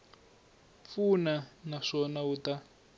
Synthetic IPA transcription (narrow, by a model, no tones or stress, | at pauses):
funanaʂɔnauta